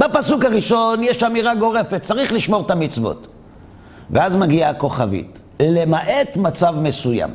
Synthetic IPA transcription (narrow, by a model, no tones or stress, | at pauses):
bepasukaʁiʃo̞njeʃamiʁaɡo̞ʁe̞fet̪̚t͡saʁiχliʃmo̞ʁt̪amit͡svo̞̰t̪ | veazmaɡiako̞χavḭt | le̞maʔet̪mat͡savme̞suja̰m